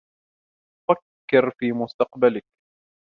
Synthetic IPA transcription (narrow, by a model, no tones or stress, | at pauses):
fakːɪɾfiːmʊst̪ɑqbalɪk̚